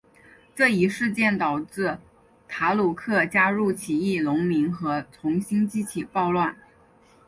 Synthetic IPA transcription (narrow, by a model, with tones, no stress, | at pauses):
ʈ͡ʂɤ˥˩i˧˥ʂɻ̩˥˧t͡ɕjɛ˥˩nt̪ɑ˨˩ʊʈ͡ʂɻ̩˥˩ | t̪ʰa˧˥lu˨˩kʰɤ˥˩t͡ɕja˥ɻu˥˩t͡ɕʰi˨˩i˥˩lʊ˧˥ŋmi˧˥ŋxɤ˧˥t͡sʰʊ˧˥ŋɕi˥nt͡ɕi˥t͡ɕʰi˨˩pɑ˥˧ʊlwa˥˩n